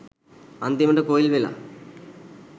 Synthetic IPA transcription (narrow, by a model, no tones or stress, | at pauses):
ɐnd̪imɐɳɖekoːjilʋila̰